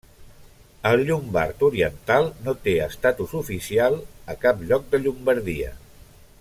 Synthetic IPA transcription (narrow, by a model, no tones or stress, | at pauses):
əlˠʎumba̰ɾt̪uɾiənt̪alˠnot̪eəst̪at̪uzufisialˠəkapʎɔk̚d̪əʎumbəɾðiə̰